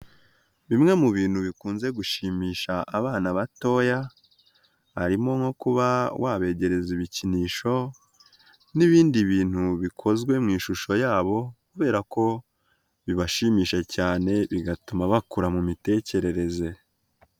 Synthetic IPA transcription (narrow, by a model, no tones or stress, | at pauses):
βimŋe̞muβiːn̥huβikuːnze̞ɡuʃiːmiːʃaʔːβaːnaβato̞ːja | ha̰ɾimo̞ŋho̞kuβawʔaβe̞ːɟe̞ɾe̞ziβiciniːʃo̞ | niβiːndiβiːn̥huβikʰo̞zɡwe̞mŋiːʃuʃojaːβo̞kuβe̞ːɾako̞ | βiβaʃiːmiːʃacaːne̞βiɡatumaβakuɾamumite̞ːce̞ɾe̞ɾe̞ze̞